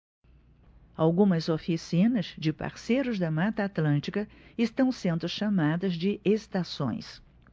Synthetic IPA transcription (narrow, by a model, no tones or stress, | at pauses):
awɡũmɐzofisĩnɐzd͡ʒɪpa̰ɾsejɾʊzd̪ɐmat̪ɐːt̪lɐ̃nt͡ʃikɐɪst̪ɐ̃w̃sẽnd̪ʊʃamad̪ɐzd͡ʒɪʔest̪asõ̰j̃s